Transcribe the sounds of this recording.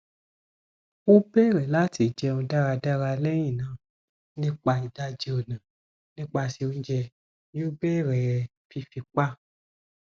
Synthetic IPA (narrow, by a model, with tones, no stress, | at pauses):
o˦be˦˨ɾɛ˨la˦ti˨d͡ʒɛ˧ũ˧da˦ɾa˧da˦ɾa˧lɛ˦j̃ĩ˦˨nãː˨˦˨ | nĩ˦k͡pa˧i˨da˦d͡ʒe˧˦o˨nã˨ | nĩ˦k͡pa˧si˧o˧˦d͡ʒɛ˧˦ | o˦be˦˨ɾɛ˨ | fi˧fi˧k͡pa˦